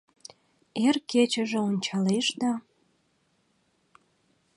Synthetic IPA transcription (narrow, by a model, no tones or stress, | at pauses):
erket͡ɕə̆ʒĕonʲt͡ɕɑleʃd̪ɑ